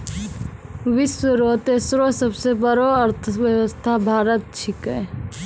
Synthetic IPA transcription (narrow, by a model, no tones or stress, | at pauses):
ʋɪswəɾot̪esɾosəbsebəɾoɐɾt̪ʰəʋjəwəst̪ʰabʱaːɾət̪̚t͡ʃʰɪkɛ